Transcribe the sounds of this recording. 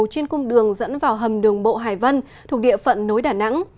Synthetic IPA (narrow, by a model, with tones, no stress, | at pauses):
wt͡ɕe˧nkʊ˧ŋ͡mɗɨ˨˩əŋzə̰˧˥nvaː˨˩wɦə˨˩mɗɨ˨˩əŋɓo̰˧˨ɦaː˨˩jvə˧n | t̪ʰu˨˩ək̚ɗḭ˧˨əfə̰˧˨nːo˨˦jɗaː˧˩na̰˧˥ŋ